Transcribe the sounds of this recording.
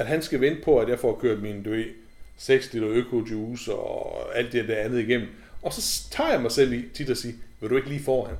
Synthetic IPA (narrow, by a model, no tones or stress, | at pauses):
æd̥ɦænsɡ̥æʋend̥əpʰɒ̽æd̥jæaɐfɒkʰøɐd̥mind̥uʋe̥ | seɡ̥sd̥elɐøkʰo̝duːsɒæl̰d̥ːeeɐd̥æɐænð̞̩ˠiɡ̥em̰n̩ | ɒ̽sɒ̽t͡sʰɑ̰̈ːjɑmɑ̈ɪsel̰it͡sʰid̥ɒsiːʋeɾ̥ue̝ɡ̥əliːfɒ̰ːæn